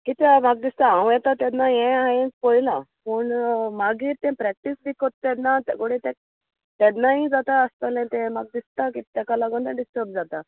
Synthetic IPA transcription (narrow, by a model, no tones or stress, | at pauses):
kit̪amaɡ̚d̪ist̪aãw̃jɛt̪at̪ɛnːajɛ̃ãjɛ̃kpojlapəɳmaɡiːɾt̪ɛ̃pɾɛk̚ʈisb̪ikot̪ːɛnːat̪ɛɡoɽĩt̪ɛ̃ | t̪ɛnːaɦid͡zat̪aːst̪alɛ̃t̪ɛ̃maɡ̚d̪ist̪akit̪akalaɡont̪ɛ̃ɖisʈəɾb̚d͡zat̪a